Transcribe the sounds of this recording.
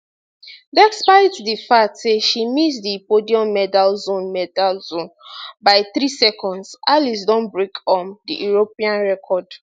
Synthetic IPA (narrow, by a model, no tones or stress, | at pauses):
bɛkspaɪddifatseʃimis̬dipodiɔ̃mːɛdalzõnmɛdalzõnbaɪθɹisɛkʰɔ̃ndsʔalis̬dɔ̃nbɹekʰɔ̃ndḭjuɹopiãnɹɛkʰɔd